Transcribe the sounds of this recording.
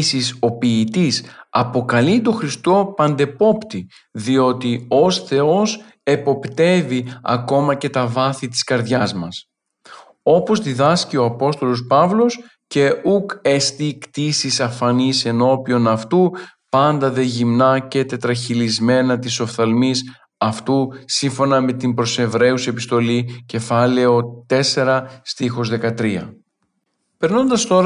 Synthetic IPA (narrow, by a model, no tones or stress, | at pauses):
siso̞piːt̪isɐpo̞kɐlit̪o̞xɾist̪o̞pɐnd̪e̞po̞pt̪i | ðio̞t̪io̞sθe̞o̞s | e̞po̞pt̪e̞viɐ̰ko̞mɐce̞t̪ɐvɐθit̪i̥skɐɾðʝɐzmɐs | o̞po̞zðiðɐscio̞ɐpo̞st̪o̞lo̞spɐvlo̞s | ce̞ukest̪ikt̪isisɐfɐnise̞no̞pio̞nɐft̪upɐnd̪ɐðe̞ʝimnɐcet̪e̞t̪ɾɐçilizme̞nɐt̪iso̞fθɐlmis | ɐft̪usiɱfo̞nɐme̞t̪imbɾo̞se̞vɾe̞use̞pist̪o̞lice̞fɐle̞o̞t̪e̞se̞ɾɐst̪ixo̞zðe̞kɐt̪ɾiɐ̰ | pe̞ɾno̞nd̪ɐst̪o̞ɾ